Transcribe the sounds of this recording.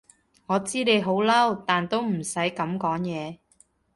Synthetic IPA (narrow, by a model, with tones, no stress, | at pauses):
ŋɔː˨˧t͡siː˥ne˨˧jɦo˨˥wlɐ˥wt̪aː˨nt̪o˥wm̩˨˩sɐ˨˥jkɐ˨˥mkɔː˨˥ŋjɛː˨˧